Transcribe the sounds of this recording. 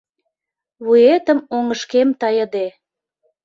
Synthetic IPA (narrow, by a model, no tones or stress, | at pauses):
βuet̪əmoŋəʃkemt̪ɑjəd̪e